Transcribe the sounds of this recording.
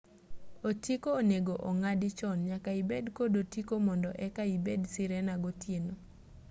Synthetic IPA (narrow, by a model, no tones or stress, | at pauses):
otikoːneɡoʔɔŋadɪt͡ʃɔnɲakaibedkodotikomɔndɔʔɛkaibedsɪɾɛnaɡotjeno